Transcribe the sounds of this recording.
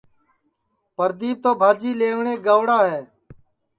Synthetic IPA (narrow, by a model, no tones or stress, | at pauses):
pəɾd̪iːb̚t̪oːbʱaːd͡ʒiːleːʋɳeːɡəʋɽaːɦeː